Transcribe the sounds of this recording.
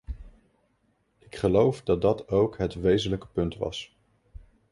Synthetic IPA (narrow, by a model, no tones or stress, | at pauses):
ɪkχəlowfdɑt̚dɑtowkɦətʋejzənləkə̥pɵntʋɑ̰s